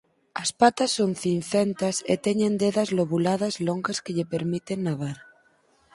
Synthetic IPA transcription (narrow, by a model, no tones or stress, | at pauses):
ɐspat̪asːonθinθent̪asḛt̪eɲẽnd̪eðɐzloβulaðɐzloŋɡaskeʎepeɾmit̪enːaβaɾ